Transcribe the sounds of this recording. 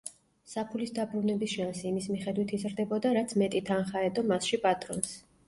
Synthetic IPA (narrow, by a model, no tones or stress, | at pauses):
sapʰulisd̪abɾunɛbisʃansiːmismiχɛd̪wit̪ʰizɾd̪ɛbɔd̪aɾat̪sʰmɛt̪ʼit̪ʰanχaɛd̪ɔmasʃipʼat̪ʼɾɔns